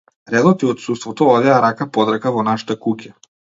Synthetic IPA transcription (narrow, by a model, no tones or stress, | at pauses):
ɾɛd̪ɔt̪iɔt̪sust̪vɔt̪ɔɔd̪ɛaɾakapɔd̪ɾakavɔnaʃḁt̪akucʲa